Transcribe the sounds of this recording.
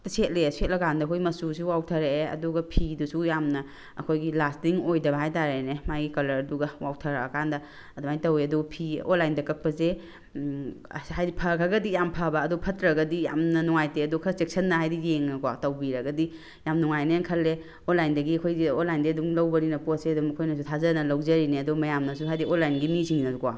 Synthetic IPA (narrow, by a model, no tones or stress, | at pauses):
tset̚leset̚lɐkʰandɐkʰojmɐsusuwawtʰɐɾeeɐ̰duɡɐpʰidusujamnɐ | ɐ̰kʰojɡilastiŋojdɐbɐɦajtaɾeenemajɡikɐlɐɾɐduɡɐwawtʰɐɾɐɐ̰kʰandɐ | ɐduhajtɐweɐduɡɐpʰio̰nlajndɐkɐk̚pɐze | hajipʰɐkʰaɡɐdijampʰɐbɐːdɔpʰɐtɾɐɡɐdija̰mnɐnɔŋajteɐdɔkʰɐsek̚sɐnːɐɦajdijeŋnɐkwatɐwbiɾɐɡɐdi | jamnuŋajneŋkʰɐlːe | onlajndɐɡiɐkʰojɡionlajndeɐduŋlɐwbɐɾinɐposeɐdumɐkʰojnɐs̬utʰazɐnɐlɐwzɐɾineɐdɔmɐjamnɐsuɦajdionlːajnɡimiziŋinɐdukwa̰